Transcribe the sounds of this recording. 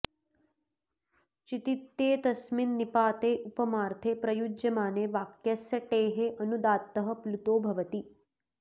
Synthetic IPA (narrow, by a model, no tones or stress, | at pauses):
t͡ʃit̪it̪ːeːt̪ɐsminːipaːt̪eːʔupɐmaːɾt̪ʰeːpɾɐjud͡ʒjɐmaːneːʋaːkjɐsjɐʈeːɦeʔɐnud̪aːt̪ːɐɦɐ̆plut̪oːbʱɐʋɐt̪i